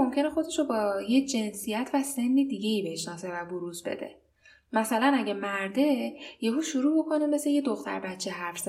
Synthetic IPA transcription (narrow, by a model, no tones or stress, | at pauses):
omcʰe̞nexo̞d̪e̞ʃobɒːjed͡ʒe̞nsijæt̪ʰvæse̞nːiːd̪iːɟe̞iːbeheʃnɒːse̞væboɾuːzbḛd̪e̞̰ | mæsælænæɟemæɾd̪e̞jeɡuːʃuɾuːbo̞kʰo̞nemesejed̪o̞xt̪ʰæ̰ɾbæt̪t͡ʃʰːeɦæɾfz̥